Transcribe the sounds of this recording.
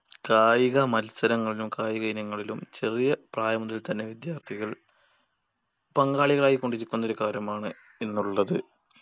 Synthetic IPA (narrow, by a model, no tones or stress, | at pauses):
kaːjiɣɐmɐlsɐɾɐŋːɐɭilumkaːjiɣɐinjɐŋːɐɭilumt͡ɕe̞rijɐpraːjɐmuðɐlt̪ɐnːe̞ʋid̪jaːrt̪ʰiɣɐɭ | pɐŋɡaːɭiɣɐɭaːjikːoɳɖiɾikʲːunːɐoɾukaːɾjɐmaːɳɨ | enːuɭːɐðɨ